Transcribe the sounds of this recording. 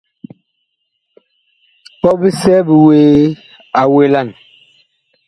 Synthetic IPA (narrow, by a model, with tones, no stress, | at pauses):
pɔ˦bi˦sɛ˦bi˨weː˨˦ | a˨we˨˦la˦˨n